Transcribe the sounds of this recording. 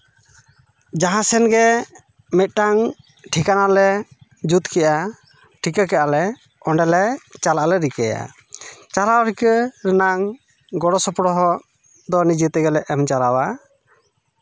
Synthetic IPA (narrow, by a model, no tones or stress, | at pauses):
d͡ʒaɦãsɛnɡɛ | mɛt̪̚ˀʈaŋ | ʈʰikanalɛd͡ʒut̪kʰɛjʔa | ʈʰikakɛʔalɛ | ɔɳɖɛlɛt͡ʃalaʔalɛɾikɛja̰ | t͡ʃalawɾikəɾɛnaŋ | ɡɔɽɔsɔpɔɽɔɦɔ | d̪ɔnid͡ʒət̪ɛɡɛlɛʔɛmt͡ʃalawa